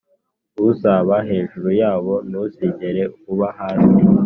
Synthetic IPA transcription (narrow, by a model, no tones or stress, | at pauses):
usaβaɦe̞ːʒuɾujaːβo̞nusiɟeɾe̞kuβahaːsi